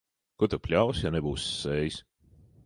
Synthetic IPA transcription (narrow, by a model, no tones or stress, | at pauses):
kut̪ɨpʲlʲawsjanɛbuːsːɛːjs